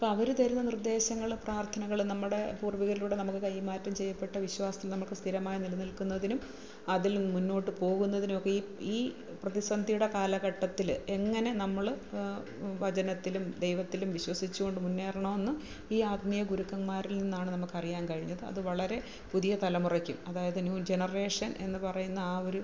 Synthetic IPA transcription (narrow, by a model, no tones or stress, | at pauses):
ɐpːoɐʋɐɾut̪ɐɾunːɐnird̪e̞ːɕɐŋːɐɭpraːrt̪ʰɐnɐɣɐɭnɐmːuɽe̞puːrʋiɣɐɾiluːɽe̞nɐmukːɨkɐjmaːtːɐmt͡ɕe̞jːɐpːe̞ʈːɐʋiɕwaːsɐ̥t̪ːilnɐmːɐɭkɨst̪ʰiɾɐmaːjɐnilɐnilkunːɐðinum | ɐðilmunːo̞ːʈːɨpo̞ːɣunːɐðinumokːeiːiː | prɐðisɐnd̪ʱijuɽe̞kaːlɐɣɐʈːɐt̪ːile̞ŋːɐne̞nɐmːɐɭ | ʋɐd͡ʑɐnɐt̪ːilumd̪e̞jʋɐt̪ːilumʋiɕwɐsit͡ɕːuɣo̞ɳɖɨmunːeːrɐɳɐme̞nːɨ | iːaːd̪mijɐɡuɾukːɐnmaːɾilninːaːɳɨnɐmukːɐrijaːnkɐɻiɲːɐðɨɐ̰ðɨʋɐɭɐɾe̞ | puðijɐt̪ɐlɐmurɐkʲːumɐðaːjɐðɨnjuːd͡ʑe̞nɐre̞ːʂɐne̞̰nːɨpɐrɐjunːɐaːo̞ɾu